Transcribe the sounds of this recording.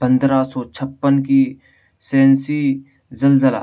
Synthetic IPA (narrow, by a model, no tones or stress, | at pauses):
pə̃nd̪ɾasɔːt͡ʃʰəpːənki | sɛ̃ːnsi | zəlzəla̰